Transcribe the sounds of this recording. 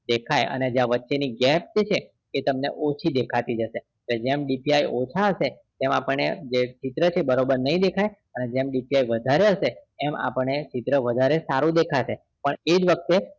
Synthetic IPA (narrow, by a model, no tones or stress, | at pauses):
d̪ekʰajə̰ned͡ʒaʋətːʃeniɡɛp̚d͡ʒet͡ʃʰeː | t̪əmnḛʔot͡ʃʰid̪ekʰat̪id͡ʒəʃe | led͡ʒemɖipiajot͡ʃʰaɦəʃe | t̪emapəɳːed͡ʒet͡ʃit̪ɾət͡ʃʰebəɾobəɾnəɦĩd̪ekʰaj | əned͡ʒemɖipiaiʋəd̪ʱaɾeɦəʃeɛma̰pəɳnet͡ʃit̪ɾəʋəd̪ʱaɾesaɾũd̪ekʰaʃe | pəɳed͡ʒʋək̚t̪e